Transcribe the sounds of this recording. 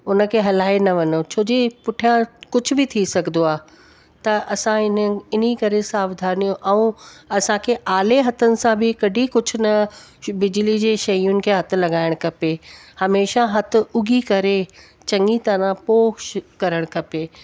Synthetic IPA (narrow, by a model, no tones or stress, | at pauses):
ʊnə̆kʰeːɦɐlaːenɐʋɐnot͡ɕʰoːd͡ʑepʊʈʰijãkʊd͡ʑʱʊ̆bɪt̪ʰisɐɡʱnd̪oaː | t̪ɐʔɐsãɪnɪnikɐɾesaːbd̪ʱaːnijõʔɛũɐsãkʰeʔaːleɦɐt̪ənɪ̆sãbɪkɐɖʱikʊd͡ʑʱʊ̆nɐ | bɪd͡ʑlid͡ʑeːʃɐjʊnɪ̆kʰeːɦɐt̪ʊ̆lɐɡaːɪɽ̃kʰɐpehɐmeːʃaɦɐt̪ʊ̆ʊɡʱikɐɾe | t͡ɕɐ̃ŋɡit̪ɐɾãpoːʃkɐɾəɽ̃kʰɐpeː